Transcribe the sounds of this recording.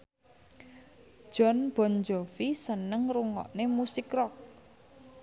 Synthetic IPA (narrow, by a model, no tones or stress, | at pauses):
ʒ̥ɔ̤nb̥ɔ̤nd͡ʒɔfisənəŋruŋɔ̰ʔnemusɪkrɔk̚